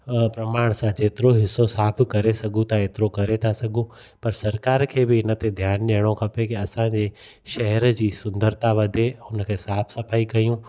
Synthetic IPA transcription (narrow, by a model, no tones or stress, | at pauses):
pɾɐmaːɽ̃sãd͡ʑeːt̪ɪɾoɦɪsːosaːpʰkɐɾesɐɡʱũt̪ʰaeːt̪ɪɾokɐɾet̪ʰasɐɡʱũ | pɐɾsɐɾkaːɾkʰeːbɪɪnə̆t̪ed̪ʱjaːnɗeɦɽ̃okʰɐpekiɐsãd͡ʑe | ʃɐɦɛɾd͡ʑiːsʊ̃nd̪əɾt̪aʋɐd̪ʱeʊnəkʰeːsaːpʰsɐpʰaːikɐjũː